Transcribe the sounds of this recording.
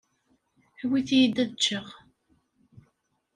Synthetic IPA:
wiθijid̪æt͡ʃːəʁ

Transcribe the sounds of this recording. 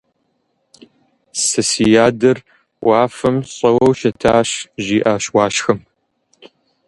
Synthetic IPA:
sɨsijaːdɐr | wʔaːfɐmɕʼɐwɐwʃɐtʰaːɕʒiːʔaːɕwaːʃxɐm

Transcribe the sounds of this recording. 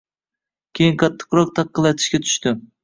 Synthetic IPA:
kʲʰejɪnqʰɑt̪ʰːɨ̥qɾɒq̚t̪ʰɑqːɨlˠɑt̪ʰɪ̥ʃkʲat̪ʰʊ̥ʃt̪ɪ

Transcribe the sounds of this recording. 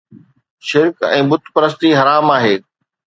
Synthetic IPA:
ʃɪɾkɛ̰̃ːbʊt̪ʰpɐɾəst̪iɦɐɾaːmaːɦeː

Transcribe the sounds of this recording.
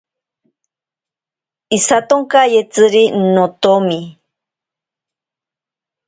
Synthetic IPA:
isat̪oŋkajet͡sɨɾinot̪omi

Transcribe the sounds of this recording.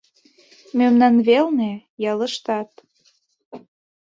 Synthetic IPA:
mømnɑnβelnejɑlə̆ʃt̪ɑt̪

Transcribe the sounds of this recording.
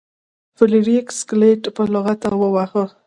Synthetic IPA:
fɪliɾikskleʈpəloɣat̪awəwaxə

